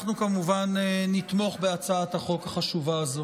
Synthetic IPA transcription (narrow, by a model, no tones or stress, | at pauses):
χnukamuvanenit̪mo̞χbe̞at͡saat̪haχo̞khaχaʃuvaːzo